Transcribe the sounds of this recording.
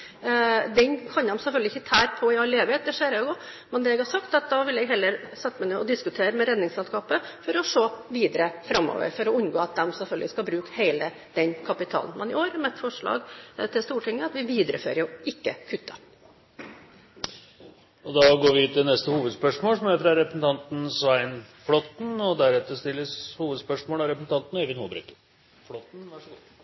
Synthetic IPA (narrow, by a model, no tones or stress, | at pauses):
d̪ɛnkʰɑnd̪ɛmsɛlfœlɡlɪçːət̪ʰæːɾpʰɔɪɑlːeːʋɪeːt̪̚d̪ɛʂeːɾɑːɡʊ | mɛnd̪ɛːɛɡhɑsɑkt̪ɑt̪̚d̪ɑʋɪlɛɡɦɛlːəɾsɛt̪ːəmɛnøːɔd̪ɪskʉt̪ʰeːɾəmɛɾɛd̪nɪŋsɛlskɑːpəfɔɾɔʂoːʋiːd̪əɾəfɾɑmːɔ̰ːʋə̰ɾfɔɾɔʉnɡoːɑt̪̚d̪ɛmsɛlfœlɡəlɪskɑlbɾʉːkheɪlə | d̪̥ɛnkʰɑpɪt̪ʰɑ̰ːln̩mɛnɪoːɾɑɾmɛt̪ːfɔʂɭɑ̰ːɡt̪ʰɪlst̪uːʈʰɪŋːəɑt̪ʋɪʋiːd̪ɾə̰fø̰ːɾəjʊɪkːəkʰʉt̪ʰːɑ | ɔd̪ɑːɡoːɾʋɪt̪ɪlnɛst̪əhuːʋəd̪spœʂmoːlsɔmæɾfɾɑɾɛpɾəsn̩t̪ʰɑnt̪n̩sʋæɪnflɔt̪n̩ɔd̪æɾɛt̪ːəʂt̪ɪlːəshuːʋəd̪spœʂmoːlɑɾɛpɾəsn̩t̪ʰɑnt̪nɔeːʋɪnhuːbɾʉ̰ːkə | flɔt̪nʋɑʂɔɡuː